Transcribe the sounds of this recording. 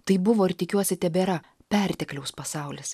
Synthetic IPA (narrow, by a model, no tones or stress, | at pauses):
t̪ɐɪbʊʋoːɪɾt̪ʲɪkʲuɔsʲɪt̪ʲɛbʲeɾɐ | pʲɛɾʲt̪ʲɛklʲɛʊspɐsɑʊlʲɪs